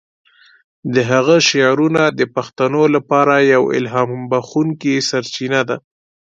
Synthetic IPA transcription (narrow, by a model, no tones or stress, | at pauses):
d̪əɦaɣəʃijɑɾunad̪əpaxt̪anolapɑɾajawɪ̰lɦɑmbaxuŋkisaɾt͡ʃinad̪a